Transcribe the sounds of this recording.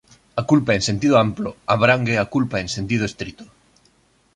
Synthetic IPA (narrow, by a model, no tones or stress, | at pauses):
akulpaẽŋsent̪iðoamploaβɾaŋɡeakulpaẽŋsent̪̬ið̞oest̪ɾit̪ʊ̥